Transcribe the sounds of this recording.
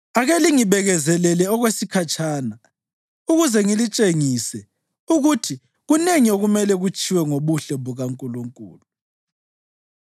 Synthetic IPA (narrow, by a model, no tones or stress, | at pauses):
aɣeliŋiβɛɣɛzɛlɛlɛɔɣwesikʰat͡ʃʰʼaːna | uɣuzɛŋilit͡ʃʼeŋisɛ | uɣutʰi | ɣuneŋioɣumɛlɛɣut͡ʃʰʼiwɛŋoβuɬɛβuɣaŋkʼuluŋkʼṵːlu